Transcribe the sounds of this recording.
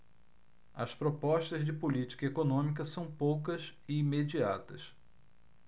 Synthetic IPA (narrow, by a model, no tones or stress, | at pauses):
ɐspɾopɔʃt̪ɐzd͡ʒɪpolit͡ʃi̥kɐekonõmik̬ɐsɐ̃w̃powkɐzɪːmed͡ʒiat̪ɐs